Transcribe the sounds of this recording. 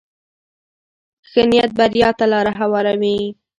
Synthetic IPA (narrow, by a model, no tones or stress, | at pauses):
xənijat̪̚baɾjɑt̪alɑɾaɦawɑɾame